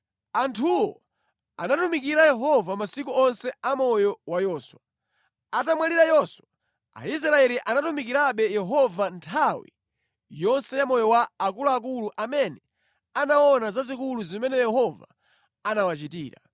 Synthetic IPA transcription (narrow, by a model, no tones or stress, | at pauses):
antʰuwɔ | a̰natumikiɾajɛɦɔvamasikuɔnsɛamɔjɔwajɔswa | atamwaliɾajɔswa | a̰is̬ɾaɛliʔanatumikiɾaɓɛjɛɦɔvantʰawḭ | jɔnsɛjamɔjɔwaːkulaːk̬uluʔamɛnɛ | anawɔnazazikuluzimɛnɛjɛɦɔva̰ | anawat͡ʃitiːɾa̰